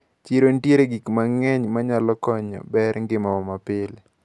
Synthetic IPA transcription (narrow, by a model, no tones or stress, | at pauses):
t͡ʃeɾontjeɾeɡikmaŋɛɲmaɲalɔkɔɲɔ̰bɛɾŋɡɪmawɔmapɪl